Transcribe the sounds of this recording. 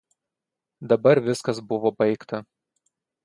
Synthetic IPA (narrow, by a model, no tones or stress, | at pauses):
d̪ɐbɐɾʋʲɪskɐs̬bʊʋoːbɐɪkt̪ɐ